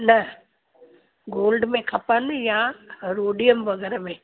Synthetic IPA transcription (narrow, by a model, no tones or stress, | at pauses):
nɐ | ɡoːlɖmẽkʰɐpənjãɾoːɖijəmʋɐɡəɾmẽː